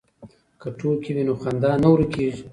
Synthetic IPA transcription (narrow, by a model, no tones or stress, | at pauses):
kəʈʰukiwinoxand̪ɑnawɾikeʒi